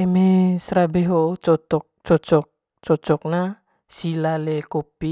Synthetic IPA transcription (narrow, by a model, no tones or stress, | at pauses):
emesɾabeɦot͡ʃɔt̪ɔk̚t͡ʃɔt͡ʃɔk̚ | t͡ʃɔt͡ʃɔk̚na | silalekopi